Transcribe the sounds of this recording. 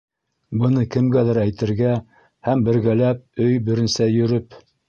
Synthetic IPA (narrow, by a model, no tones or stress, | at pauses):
bɤ̆nɤkɘ̆mɡæðæɾæjt̪ɘ̆ɾɡæ | hæmbɘ̆ɾɡælæp̚ɵjbɘ̆ɾɘ̆nsæjɵ̆ɾɵp